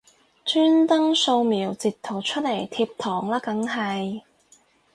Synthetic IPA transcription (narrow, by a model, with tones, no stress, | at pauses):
t͡ʃʰyː˥nt̪ɐ˥ŋso˧wmiː˨˩wt͡siː˨tt̪ʰːo˨˩wt͡ʃʰɵ˥t̚le˨˩jt̪ʰiː˧p̚t̪ʰɔː˨˩ŋlaː˥kɐ˨˥ŋɦɐ˨˩j